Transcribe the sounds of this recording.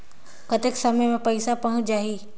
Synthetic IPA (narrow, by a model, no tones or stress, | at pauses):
kət̪eksəməjmẽpəɪsapɐɦʊ̃t͡ʃd͡ʒaːɦiː